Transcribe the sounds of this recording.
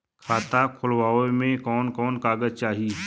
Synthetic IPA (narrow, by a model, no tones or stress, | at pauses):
kʰaːt̪akʰʊlwaːomẽkɔːnkɔːnkaːɡəzt͡ʃaːɦi